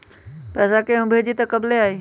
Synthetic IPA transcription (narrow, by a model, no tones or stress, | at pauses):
pɛːsakeɦʊ̃bʱeːd͡ʒit̪əkəbleaːɦiː